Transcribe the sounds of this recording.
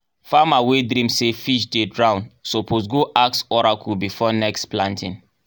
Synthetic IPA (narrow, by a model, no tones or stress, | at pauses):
famawedɾĩmsefiʃdedɹãʊ̃nsopʰos̬ɡoʔaksɔɹakʰubifɔnɛkstplãntĩn